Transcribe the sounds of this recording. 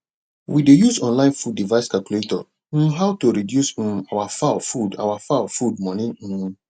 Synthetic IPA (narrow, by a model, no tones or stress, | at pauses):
widejuzɔ̃nlãɪ̃nfud̚ːivaɪskalkjuletɔ̃ | ɦaʊtoɹidjus̩awafaʊfuda̰wafaʊfud̚mɔnĩ